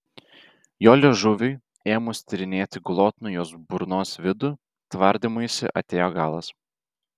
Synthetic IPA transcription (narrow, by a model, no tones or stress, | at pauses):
joːlʲeʒʊʋʲʊ | eːmʊsʲt̪ʲɪɾʲɪnʲeːt̪ʲɪɡlˠoːt̪nʊjoːsbʊɾnoːsʋʲɪd̪ʊ | t̪ʋɐɾʲd̪ʲɪmʊjsʲɪ̰ʔɐ̰t̪ʲeːjoːɡɑːlˠɐs